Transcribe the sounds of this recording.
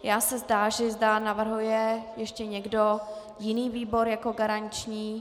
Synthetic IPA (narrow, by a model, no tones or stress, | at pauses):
jaːsɛzdaːʒɛzdanavr̩ɦujɛjɛʃcɛɲɛɡdo̞ | jɪniːviːbo̞ɾjako̞ɡaɾaɲt͡ʃɲiː